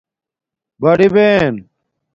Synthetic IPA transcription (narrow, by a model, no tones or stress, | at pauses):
bɐɽiben